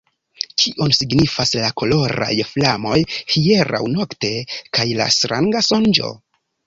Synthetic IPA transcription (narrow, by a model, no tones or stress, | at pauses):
kʰiʔo̞nsiɡnifaslako̞lo̞ɾa̰jflamo̞jhie̞ɾa̰wno̞kte̞kajla̰stɾʔaŋɡasond͡ʒo̞̰